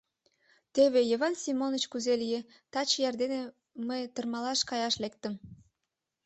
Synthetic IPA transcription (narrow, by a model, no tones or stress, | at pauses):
t̪eβejeβɑnsʲimonət͡ɕkuzelije | t̪ɑt͡ɕjɑrd̪ene | məjt̪ərmɑlɑʃkɑjɑʃlek̚t̪ə̆m